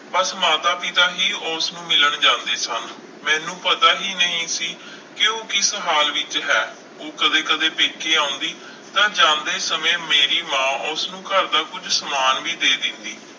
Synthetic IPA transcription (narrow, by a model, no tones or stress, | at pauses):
pəsmaːt̪aːpɪt̪aːɦiːoʊsnũːmɪləɳd͡ʒãːnd̪eːsən | mɛ̃ːnũːpət̪aːɦiːnəɦĩːsiː | kɪoːkɪsəɦaːlʋɪt͡ʃɦɛː | oːkəd̪eːkəd̪eːpeːkeːaːʊ̃nd̪iː | t̪ãːd͡ʒãːnd̪eːsəmẽːmeːɾiːmãːʔʊsnũːkəɾd̪aːkʊd͡ʒsəmaːnʋiːd̪eːd̪ɪ̃nd̪iː